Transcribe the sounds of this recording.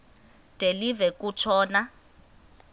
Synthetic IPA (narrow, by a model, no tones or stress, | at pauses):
d̥ʱelivɛkut͡ʃʰɔːna